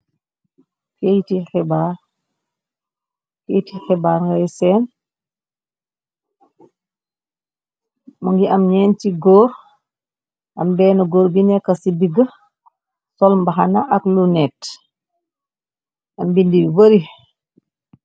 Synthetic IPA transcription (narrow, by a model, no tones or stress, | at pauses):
kejtixɛbaː | kɛːjtixɛbaːɾŋɡajsɛːn | muŋɡiʔamɲɛːntiɡɔːɾ | ʔambɛːnɐɡɔːɾbinɛkːasidiɡə | sɔlmbaxanaʔaklunɛt | ambindiwbəɾi